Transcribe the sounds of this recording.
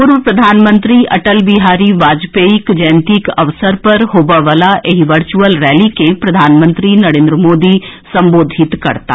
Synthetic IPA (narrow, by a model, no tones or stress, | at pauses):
pʊɾʋəpɾɐd̪ʱaːnmə̃nt̪ɾiʔɐ̰ʈəlbiɦaːɾiʋaːd͡ʒpeːikd͡ʒə̃ːnt̪ikɐʋsəɾpɐɾɦoːbaʋəlaʔeɦiʋəɾt͡ʃuəlɾɛːlikepɾɐd̪ʱaːnmə̃nt̪ɾinɐɾẽːnd̪ɾəmoːd̪isɐ̃mboːd̪ʱɪt̪kɐ̰ɾt̪a̰ː